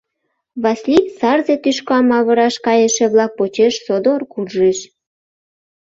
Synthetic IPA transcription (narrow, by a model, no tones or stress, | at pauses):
βɑslisɑrzet̪yʃkɑmɑβɤ̆ɾɑʃkɑjəʃĕβlɑk̚pot͡ɕeʃsod̪orkurʒeʃ